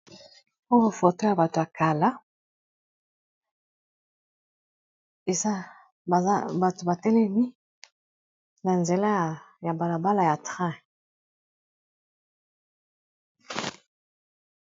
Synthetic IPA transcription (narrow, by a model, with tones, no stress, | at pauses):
o˦wo˨fo˨to˦ja˨ba˨to˨a˨ka˨la˦ | e˨za˦ | a˨a˦ba˨to˨ba˨tɛ˦lɛ˦mi˦ | na˨nze˨la˦˨ | ja˨ba˨la˨ba˦la˨ja˨tʁɛ̃˦˨